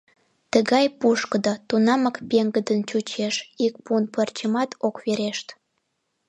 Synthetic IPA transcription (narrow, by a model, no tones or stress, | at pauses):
t̪əɣɑjpuʃkəd̪ot̪unɑməkpeŋɡəd̪ənt͡ɕut͡ɕeʃik̚punpərt͡ɕəmɑt̪okβeɾeʃt̪